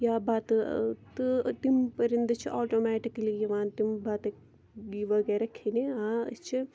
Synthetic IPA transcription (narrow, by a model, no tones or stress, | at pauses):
jaːbaːt̪ɨt̪ɨt̪impɐɾind̪ɐt͡ʃʰiʔoːʈoːmɛːʈikɐlijiʋaːnt̪imbaːt̪ɐ | iʋɐɡeːɾɐkʰeniaːɐ̰t͡ʃʰi